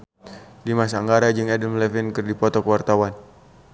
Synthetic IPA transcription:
dimas̬aaŋɡaɾad͡ʒɨŋɛdəmlɛfinkɨrdipɔt̪ɔkəwart̪awan

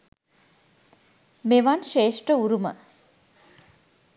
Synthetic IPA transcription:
meʋanʃeːʂʈəuɾumə̰

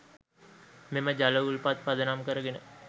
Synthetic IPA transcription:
meməd͡ʒaləulpat̪̚pad̪ənamkəɾəɡenə

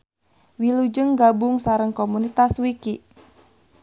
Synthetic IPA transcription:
wilud͡ʒəŋɡabʊŋsaɾəŋkomunit̪aswikiʔ

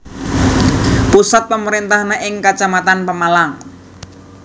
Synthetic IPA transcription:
pusat̪̚pəməɾint̪ahneʔɪŋkat͡ʃamat̪anpəmalaŋ

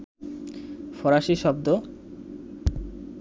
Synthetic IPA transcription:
fɔɾaʃiʃɔb̚d̪o

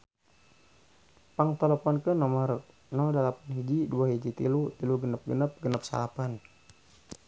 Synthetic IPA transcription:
paŋt̪ɛlɛpɔnkənɔmar | nɔdalapanɦid͡ʒiduaɦid͡ʒit̪ilut̪iluɡənəp̚ɡənəp̚ɡənəp̚sa̰lapan

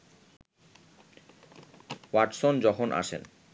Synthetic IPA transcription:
waʈsond͡ʑɔkʰonʔa̰ʃḛn

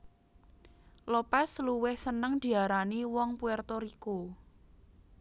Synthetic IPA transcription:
lopɛsluwɪhsənəŋd̪̥i̤aɾaniwɔŋpuɛrt̪oɾiko

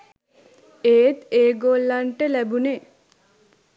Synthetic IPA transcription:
eːt̪eːɡoːlːaɳʈəlæbune

